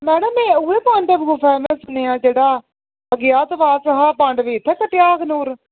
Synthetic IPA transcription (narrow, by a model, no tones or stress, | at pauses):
mɛːɽəmẽːʊeːpãɳɖəbɡuːpʰɛːmɛ̃sʊneːãːd͡ʒeːɽaː | əɡɪjaːt̪ʋaːsəɦaːpãɳɖʋeːt̪ʰːɛːkəʈɪjaːkʰnuːɾ